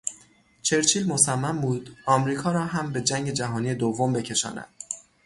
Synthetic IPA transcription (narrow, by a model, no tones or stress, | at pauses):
t͡ʃʰe̞ɾt͡ʃʰiːlmosæmːæmbuːd̪̥ʔɒːmɾiːkʰɒːɾɒːɦæmbe̞d͡ʒæŋɡɟe̞d͡ʒæɦɒːnije̞d̪ovːo̞mbe̞cʰe̞ʃɒ̰ːnæ̰d̪̥